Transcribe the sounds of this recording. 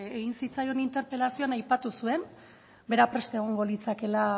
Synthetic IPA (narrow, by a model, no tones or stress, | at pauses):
eɣinsit͡sajo̞nint̪e̞ɾpe̞lasio̞anajpat̪usue̞n | be̞ɾapɾe̞st̪eɣ̞o̞ŋɡo̞lit͡sake̞la